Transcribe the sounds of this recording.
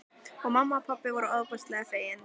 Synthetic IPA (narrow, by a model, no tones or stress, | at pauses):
ɔɣmamːapʰapːɪvɔːɾʏaðpɔst̪lɛːɣafeːjɪn